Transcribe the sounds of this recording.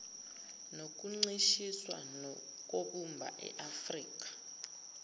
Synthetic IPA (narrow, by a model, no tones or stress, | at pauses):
nok̬ʼuŋ͡ǀiʃiswa̰nɔ | k̬ʼoɓumbʱa̰ʔɛ̰ʔafriːk̬ʼḁ